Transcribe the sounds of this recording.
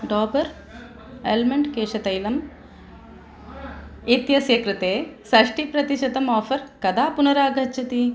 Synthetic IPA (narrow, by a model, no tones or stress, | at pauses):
ɖɔːbɐɾ | elmɐɳɖkeːʃɐt̪ɐjlɐm | it̪jɐsjɐkɾɨt̪eːsɐʂʈipɾɐt̪iʃɐd̪ɐmɔːfɐɾkɐd̪aːpunɐɾaːɡʱɐt͡ʃʰɐt̪i